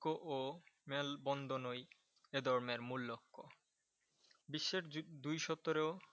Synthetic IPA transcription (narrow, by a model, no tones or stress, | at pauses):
oʔomelbɔnd̪ʱonoj | ed̪ɔɾmeɾmulːokːo | biʃːeɾd̪ujʃɔt̪ːoɾeo